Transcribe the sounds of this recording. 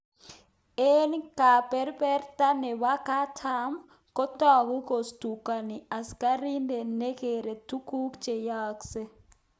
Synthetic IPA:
e˦nka˨pɛ˦ɾpɛ˦ɾta˦ne˨wa˦ka˦tʰa˦m | kɔ˦tɔ˦˨ɡu˦ko˨stu˨ka˨ni˨a˨ska˦ɾi˦nde˨ne˦ke˨ɾe˨tu˦ku˦kt͡ʃe˨ja˦kse˦

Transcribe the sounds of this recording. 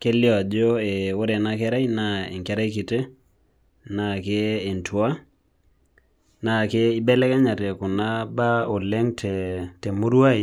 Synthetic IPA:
ke˦ljɔ˨d͡ʒo˦e˨o˦ɾe˨na˦kɛ˦ɾa˦jna˨e˨ŋkɛ˦ɾa˦jki˨te˦ | na˨keː˦˨ntʰwa˦ | na˨ke˦ɪ˦bɛ˦lɛ˦kɛ˦ɲa˨te˨kʊ˨na˦ba˦o˨le˦ŋtʰɛ˨tɛ˨mu˦ɾwa˦˨i˨

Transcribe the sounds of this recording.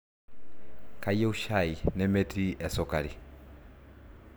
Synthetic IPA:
kʰa˦jɛ˦u˦ʃa˨i˨nɛ˦me˦tɾi˦ʔɛ˨sɔka˨ɾi˨

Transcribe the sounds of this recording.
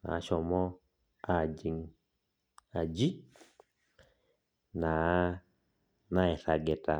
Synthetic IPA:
na̰˨˦ʃɔ˨mɔ˦ | a˦˨d͡ʒi˨ŋ | a˨d͡ʒi˦ | na˨˦ | na˦ɛ˨sa˨ɡɛ˨ta˨

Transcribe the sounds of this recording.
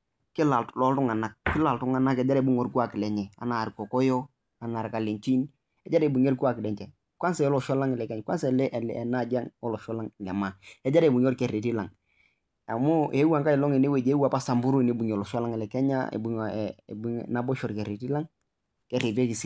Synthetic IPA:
kɪ˦la˨llɔ˨˦ltʊ˦ŋa˨na˨k̚kɪ˦la˨ltʊ˦ŋa˨na˦kɛ˨d͡ʒa˦ɾe˨bu˦ŋɔ˨ɾku˦a˨kɪ˨lɛ˨ɲɛ˨a̰˨na˨ɾkɔ˨kɔ˦jɔ˦ | a˨na˨ɾka˨li˨ɲt͡ʃi˦n | ɛ˦d͡ʒa˦ɾe˨bu˨ɲ˦ɛ˦ɾku˦a˨kɪ˨lɛ˨ɲt͡ʃɛ˨ | kwʷa˦nsɛ˨ɔ˦lɔ˨ʃɔ˦la˦ŋɪ˨lɛ˨kɛ˦ɲ˨kwa˦nsɛ˨lɛ˦ʔɛ˨lɛ˨na˦d͡ʒa˦ŋɔ˦lɔ˨ʃɔ˦la˦ŋ˨lɛ̰˨ma˨ɛ˦d͡ʒa˦ɾbu˨ɲɔ˦ɾkɛ˨ɾe˨ti˦la˨ŋ | a˨mʊ˦e˦wa˨ŋka˦ɪ˨lɔ˦ŋe˨ne˦we˨d͡ʒe˦wa˨pa˦sa˨mbu˦ɾu˦˨ne˦bu˨ɲɔ˨lɔ˨ʃɔ˦la˦ŋɛ˨lɛ˨kɛ˦ɲa̰˦ḛ˨bu˨ŋ̰˨bu˦ŋna˦bɔ˦ʃɔ˨ɾkɛ˨ɾe˨ti˦la˦ŋ | kɛ˨ɾe˨te˦ki˨s

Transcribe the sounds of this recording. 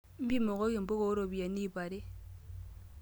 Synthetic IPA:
m̩˦bi˦mo˨ɣo˦ki˨m̩˨bo˦ɣo˦ɾo˨βi˨a˨ni˦˨βa˨ɾe˦

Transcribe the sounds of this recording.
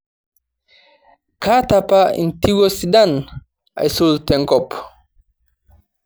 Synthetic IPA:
kʰa˦tapa˦ḭ̃˨nti˦wɔsi˨da˦n | a̰˨jsoltɛ̃˨ŋkɔp

